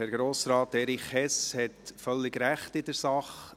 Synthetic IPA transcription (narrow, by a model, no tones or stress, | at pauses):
hɛɾɡɾoːsɾɑːtɛɾiχhɛshɛtfœlːɪɡɾæχtɪdəɾsɑχ